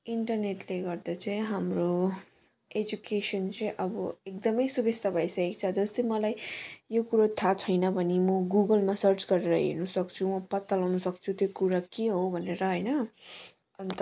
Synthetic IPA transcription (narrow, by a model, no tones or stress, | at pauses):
iɳʈʌrneʈleɡʌrd̪at͡sãj̃ɦamro | ed͡ʒukesʌnt͡sʌj̃ʔʌbʌek̚d̪ʌmʌjsubest̪ʰabʱajsaekt͡sʰad͡zʌst̪ʌjmʌlajjokuɾat̪ʰat͡sʰʌjnʌbʱʌnimʌɡuɡʌlmasʌrt͡sɡʌɾeɾʌɦḛrnusʌkt͡sʰumʌpʌt̪ːalawnʌsʌkt͡sʰut̪jokuɾakeɦobʱʌneɾʌɦʌjnʌ | ʌnt̪